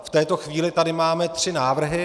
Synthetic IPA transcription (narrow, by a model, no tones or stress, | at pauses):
ft̪ɛːt̪o̞xviːlɪt̪adɪmaːmɛt̪r̥ɪnaːvr̩ɦɪ